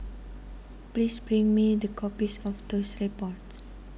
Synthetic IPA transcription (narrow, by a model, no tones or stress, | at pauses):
plisbɹĩŋmid̪əkʰɔpisɔfd̪osɹipɔts